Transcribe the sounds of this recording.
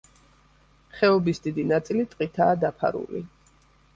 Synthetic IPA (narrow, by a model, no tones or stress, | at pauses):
χɛɔbisd̪id̪inat̪sʼilit̪ʼqʼit̪ʰaːd̪apʰa̰ɾṵlḭ